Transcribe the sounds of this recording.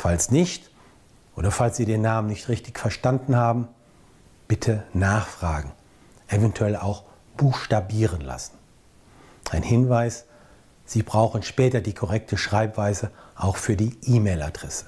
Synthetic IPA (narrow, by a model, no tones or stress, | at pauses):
falsnɪçt | ʔo̰ːdɐfalsz̥iːdeːnaːmənɪçtʁɪçtɪçfɛɐʃtandn̩haːbm̩ | b̥ɪtʰənaːχfʁ̥aːɡŋ̩ | ʔɛvɛntʰuɛla̰ʊx | b̥uːxʃtabiːʁənla̰sn̩ | ʔaɪnhɪnvaɪs | z̥iːbʁaʊxn̩ʃpɛːtɐdiːkʰɔʁɛk̚tʰəʃʁ̥aɪpv̥aɪzəʔaʊxfyːɐdiːʔiːmeːla̰dʁɛsə̥